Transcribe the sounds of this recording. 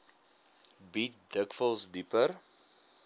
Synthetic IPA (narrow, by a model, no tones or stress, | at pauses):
bit̚dəkfəlˠsdipər